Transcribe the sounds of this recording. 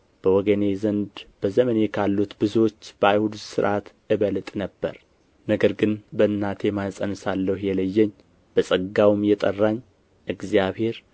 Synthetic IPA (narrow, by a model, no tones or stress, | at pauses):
b̥əwɔɡəne̞zənd̪b̥əzəmənekʰalːut̪bɨzot͡ʃːb̥əajhud̪usɨɾʔat̪ʔɨβəlt̪ʼnəbːə̰ɾ | nəɡəɾɡɨnbəɨnːat̪ʰe̞masʼənɨsalːəhjɛləjːɛɲ | b̥əsʼəɡawmjɛt̪ʼərːaɲː | ʔɨɡziaβhe̞ɾ